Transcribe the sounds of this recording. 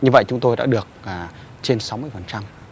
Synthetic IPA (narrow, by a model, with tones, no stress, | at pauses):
ɲɨ˧və̰˧˨jt͡ɕʊ˨˦ŋ͡mt̪o˧jɗa̰ː˧˥ɗɨ˨˩ək̚ːt͡ɕe˧nsa˨˦wmɨ˧əjfə˨˩nt͡ɕa˧m